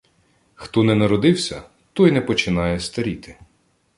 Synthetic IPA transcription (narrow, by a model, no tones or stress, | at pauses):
xt̪ɔnɛnɐɾɔd̪ɪwsʲɐ | t̪ɔjnɛpɔt͡ʃɪnɑjɛst̪ɐɾʲit̪ɪ̥